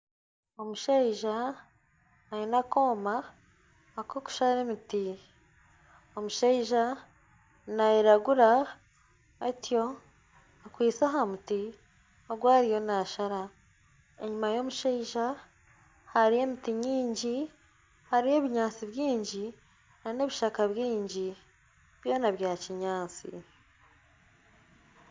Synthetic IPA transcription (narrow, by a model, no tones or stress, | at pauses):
o̞muʃeiʒa | jinako̞ːmaː | ko̞ku̥ʃaɾe̞miti | omuʃeiʒa | najiɾaɡuɾa | atjo̞ | akwiːt͡saɦamuti | oɡwaːɾijo̞naʃaɾa | e̞̰ɲumajo̞muʃeiʒa | haɾije̞mitiɲiːɲɟi | haɾije̞βiɲaːnt͡siβjiːɲɟi | nane̞βiʃakaβjiːɲɟi | β̥jo̞ːnaβjaːciɲaːnt͡sḭ